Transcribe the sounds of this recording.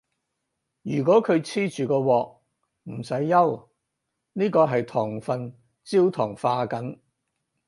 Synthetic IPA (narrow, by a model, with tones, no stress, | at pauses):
jyː˨˩k̬ɔː˨˥kʰɵ˨˧ɥt͡sʰiː˥t͡ʃyː˨kɔː˧wɔː˨k̚ | m̩˨˩sɐ˨˥jːɐ˥w | niː˥kɔː˧ɦɐ˨jt̪ʰɔː˨˩ŋfɐ˨n | t͡siː˥wt̪ʰɔː˨˩ŋfaː˧kɐ˨˥n